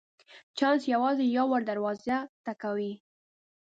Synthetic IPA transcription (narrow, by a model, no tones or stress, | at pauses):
t͡ʃɑnsjawɑzejɑwaɽd̪aɾwɑzat̪akawi